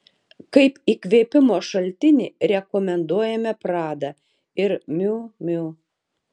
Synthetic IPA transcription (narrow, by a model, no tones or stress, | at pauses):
kɐɪpiːkʋʲeːpʲɪmoːʃɐlʲt̪ʲɪnʲɪɾʲɛkɔmʲɛnd̪uɔjɛmʲɛpɾɑːd̪ɐ | ɪɾmʲuːmʲu